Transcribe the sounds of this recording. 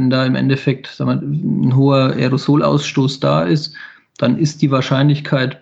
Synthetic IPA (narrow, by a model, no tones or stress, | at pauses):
ɛndaːɪmʔɛ̰ndɛfɛk̚tsamɐnɦoːɐʔɛ̰ʁozoːlʔa̰ʊsʃtoːsd̥a̰ːʔɪst | d̥anʔɪst̚d̥iːvaːɐʃaɪnlɪçkʰaɪt